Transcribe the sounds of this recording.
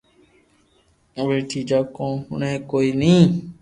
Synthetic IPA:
ʋeːʈʰiːd͡ʒaːkõːhʊ̰ɳẽːkoːiːnĩː

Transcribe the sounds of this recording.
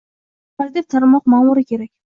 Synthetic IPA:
aɾd̪ep̚t̪ʰaɾmɒqmamʊɾɪkʲe̞ɾakʲ

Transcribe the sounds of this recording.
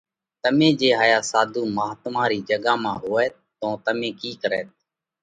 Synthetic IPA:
t̪əmẽːd͡ʒeːɦaːjaːsaːd̪ʱuːmaːt̪mãːɾiːd͡ʒəɠãːmãːɦoːɛː | t̪õːt̪əmẽːkiːkəɾɛ̰ːt̪̚

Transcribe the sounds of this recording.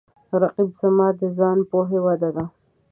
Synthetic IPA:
ɾaqibzamɑd̪əzɑnpoɦewad̪ad̪a

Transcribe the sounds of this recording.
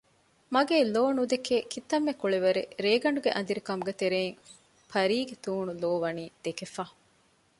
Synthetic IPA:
mɐɡeːloːnud̪ekeːkʰit̪ːɐmːekuɭeʋɐɾḛɾeːɡɐɳɖuɡeʔɐ̰nd̪iɾikɐmuɡet̪eɾeːŋ | fɐɾiːɡet̪uːnuloːʋɐniːd̪̥ekefaː

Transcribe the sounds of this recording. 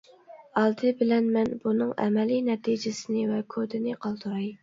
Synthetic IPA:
ɑlˠd̪ɨbɪlɛnmɛnbunɨŋɛ̰mɛlinɛt̪ʰid͡ʒɪsɪnɪvɛkʰod̪ɪnɪqʰɑlˠt̪uɾɑj

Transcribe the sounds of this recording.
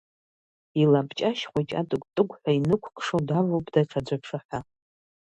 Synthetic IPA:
ilapt͡ʃʼaʃχʷat͡ʃʼa̰tʼɨkʷʼtʼɨkʷħʷᶣainɨkʷʰkʷʰʼʂodavowpʼd̥aʈ͡ʂʰad͡zʷapʰʂɨħʷa

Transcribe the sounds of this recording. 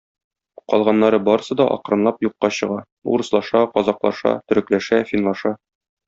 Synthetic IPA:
qɒ̰lˠʁɑnːɑɾɤbɒɾɤ̆sɤd̪ɒʔɒ̰qɾɤ̆nlˠɑpjuqːɑɕɤ̆ʁɑ | ṵɾɤ̆slˠɑʃɑqɒzɑqlˠɑ̰ʃɑ̰t̪ɵ̆ɾɘ̆klæʃæfʲinlˠɑʃɑ

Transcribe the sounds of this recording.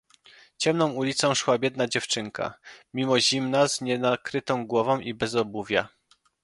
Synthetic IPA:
t͡ɕɛmnɔ̃w̃ulʲit̪sɔ̃w̃ʂwabʲjɛd̪̚nad͡ʑɛft͡ʂɘŋka̰mʲimɔʑimnazɲɛnakɾɘt̪ɔ̃w̃ɡwɔvɔ̃w̃ʔibɛzɔbuvʲja̰

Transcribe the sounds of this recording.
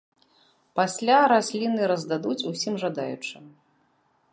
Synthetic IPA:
pasʲlʲaɾasʲlʲinɨɾɐzd̪ad̪ut͡sʲusʲimʐad̪a̰jṵt͡ʂɨ

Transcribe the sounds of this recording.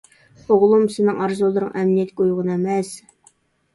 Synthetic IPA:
oʁlˠumsɪnɪŋʔɑɾzolˠːəɾəŋʔæmnijɛt̪̚kʲojʁənæmɛs

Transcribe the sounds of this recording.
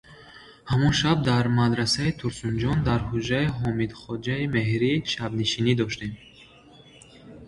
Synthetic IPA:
hamɔnʃab̚d̪aɾmad̪ɾasait̪ʰuɾsund͡ʒɔnd̪aɾhud͡ʒaiɦɔmid̪χɔd͡ʒaime̞ɦɾiʃabniʃinid̪ɔʃt̪em

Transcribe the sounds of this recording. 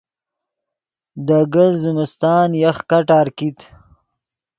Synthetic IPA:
d̪əɡəlzɪmɪst̪ɑːnjaxkaʈaːɾkit̪

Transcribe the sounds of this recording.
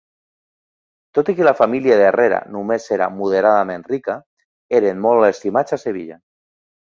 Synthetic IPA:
t̪ot̪ikelafamiljaðerʔeɾa̰numeseɾa̰muð̞eɾaðamẽnrika | eɾenmolest̪imat͡saseβ̞ḭʎa

